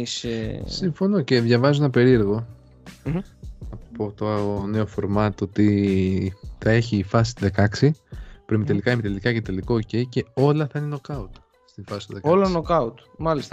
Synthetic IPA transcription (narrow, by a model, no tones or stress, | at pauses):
ssiɱfo̞no̞ce̞ðʝɐvɐzuenɐpe̞ɾie̞ɾɣo̞ | nɐppo̞t̪oɐne̞o̞fo̞ɾmɐt̪ot̪i | θɐe̞çiːfɐsist̪ðe̞kɐksipɾemit̪e̞likɐimet̪elikɐce̞t̪eliko̞ːce̞ice̞o̞lɐθɐineno̞kɐut̪ | st̪ifɐsi̥st̪uðekolɐnokɐut̪mɐlist̪ɐ